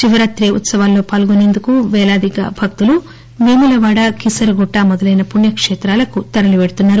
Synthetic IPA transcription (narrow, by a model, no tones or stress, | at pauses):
t͡ʃiʋɐɾaːt̪ɾeṵt̪sɐʋaːlːo̞ːpaːlɡoneːnd̪ukuʋɛːlaːd̪iɡa̰ːbʱɐk̚t̪ulu | ʋiːmulɐʋaːɽɐkisɐɾɡɔʈːamɔd̪ɐlɐjnɐpuɳjɐkʂɛːt̪ɾaːlɐkut̪ɐɾɐliʋeɽut̪unːaːɾu